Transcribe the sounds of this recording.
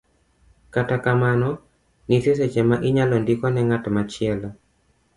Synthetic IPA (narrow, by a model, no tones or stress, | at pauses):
katakamanɔ | nites̬et͡ʃɛmaʔɪɲalɔndikɔnɛŋatmat͡ʃɪɛlɔ